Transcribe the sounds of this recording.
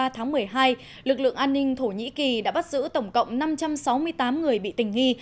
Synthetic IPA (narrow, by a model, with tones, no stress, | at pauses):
aː˧t̪ʰaː˨˦ŋmɨ˨˩əjɦaː˧j | lɨ˨˩k̚lɨ̰˧˨əŋʔaː˧nːï˧ŋ̟t̪ʰo˧˩ɲḭ˧˥ki˨˩ɗa̰ː˧˥ɓa˦˥t̚z̥ɨ̰˧˥t̪ə˧˩wŋ͡mkə̰˧˨wŋ͡mna˧mt͡ɕa˧msa˨˦wmɨ˧əjt̪aː˨˦mŋɨ˨˩əjɓḭ˧˨t̪ï˨˩ŋ̟ŋi˧